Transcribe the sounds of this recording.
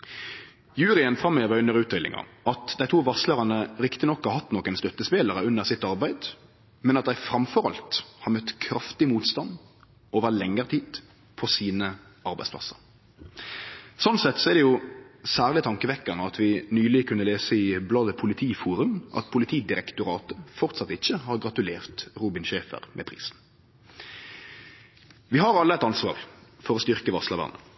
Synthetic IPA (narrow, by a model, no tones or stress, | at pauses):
jʉːɾɪənfʁɑmːøːʋəɾʉnːəʁʉːt̪ʏlɪ̰ŋɑ̰ʔɑt̪d̪æɪt̪ʰuːʋɑsləʁɑnəɾɪkt̪ɪnɔkhɑhɑt̪ːnɔkːənst̪œt̪ːəspeːləɾəʉnːəʁsɪt̪ːɑɾbæɪd̪ | mɛnɑt̪̚d̪æɪfɾɑmfɔʁɑ̰lt̪hɑɾmœt̪ːkʰɾɑft̪ɪmuːt̪st̪ɑnd̪ | oːʋəlɛŋːəʁt̪ʰiːd̪̥ | pʰɔsiːnə | ɑɾbæɪsplɑ̰sə̥̰ɾ | sɔnsɛt̪sɔɛd̪ɛjʊsæːʁlɪt̪ʰɑŋkəʋɛkːɑnəɑt̪ʋɪnyːlɪkʰʉnːəleːsəɪblɑd̪əpʰʊlɪt̪ʰiːfuːɾʉmʔɑ̰t̪pʰʊlɪt̪ʰiːd̪ɪɾɛkt̪ʊɾɑːt̪əfɔʁt̪sɑt̪ːɪçːəhɑʁɡʁɑt̪ʉleːʁt̪ʁuːbɪnʃeːfə̰ʁmʔɛ̰pʰʁḭːsn̩ | ʋɪɦɑɾɑlːəɛt̪ɑnsʋɑ̰ːʁfɔɾɔst̪ʏʁkəʋɑslɑʋɑ̰ʁnə̰